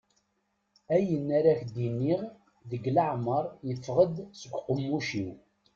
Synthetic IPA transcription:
æjənːaɾæçd̪inːiʁ | ðəɡlaʕməɾˤjəfːʁəd̪səɡʷqəmːuʃiw

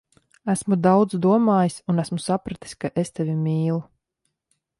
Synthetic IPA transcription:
æsmud̪awd̪zd̪uɔmaːjisunæsmusapɾat̪i̥skaʔest̪evʲimʲiːlˠu

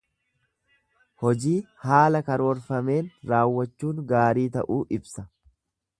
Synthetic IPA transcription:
hɔd͡ʒiːhaːlɐkɐɾo̞ːɾfɐme̞ːnɾaːwːɐt͡ʃːuːŋɡaːɾiːt̪ɐ̰ʔuːʔɪbsɐ

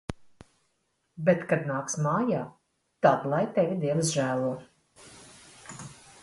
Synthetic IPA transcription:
bet̪kad̪naːksmaːjaː | t̪ad̪lˠajt̪ɛvʲid̪iɛnɨsʒæːlˠuɔ

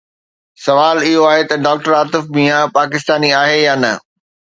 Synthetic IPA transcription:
sɐʋaːlɪɦoaːɦet̪ɐɖaːk̚ʈəɾaːt̪ɪfmiːɦapaːk̬ɪst̪aːniaːɦejaːnɐ

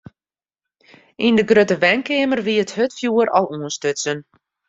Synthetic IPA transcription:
indəɡrøtəʋɛnkɪəmərʋiəthøtfjuəɾʔɔlˠuənstøtsən

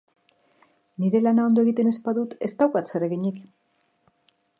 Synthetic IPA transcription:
niɾe̞lanao̞nd̪o̞e̞ɣit̪e̞ne̞spaðut̪e̞st̪awkat̪sereɣiɲik

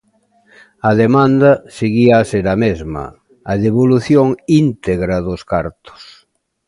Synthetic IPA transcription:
ɐðemãnd̪ɐseɣiaːseɾɐmezmɐ̰ | aðeβoluθjoŋint̪eɣɾaðoskaɾt̪o̥s

